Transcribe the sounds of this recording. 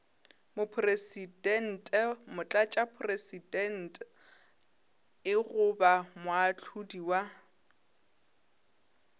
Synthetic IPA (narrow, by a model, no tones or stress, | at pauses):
mʊpʰresidɛn̩tʼɛmʊt͡ɬʼat͡ʃʼapʰʊresidɛn̩tʼ | ɪɣʊbamʊat͡ɬʰudiwa